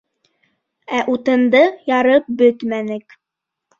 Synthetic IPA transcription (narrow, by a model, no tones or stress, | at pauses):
æʔut̪ɤ̆nd̪ɤjɑɾɤp̚bɵt̪mænɘk